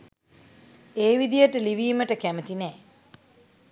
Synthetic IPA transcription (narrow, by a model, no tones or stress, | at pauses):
eːʋid̪ijəʈəliʋiːməʈəkæmət̪inɛː